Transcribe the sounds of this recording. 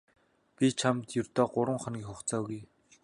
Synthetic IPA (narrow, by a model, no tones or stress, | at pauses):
pʲit͡ɕʰamt̪jɵrt̪ɔːɢʊɾwə̆ŋχɔ̆nɡʲiːkχʊχt͡sɔːɣuj